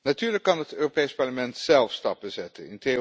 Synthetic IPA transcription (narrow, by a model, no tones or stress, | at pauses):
natyːɹləkːɑnɦətøːropejspɑɹləmɛntsɛlˠfstɑp̚bəzɛtənɪnte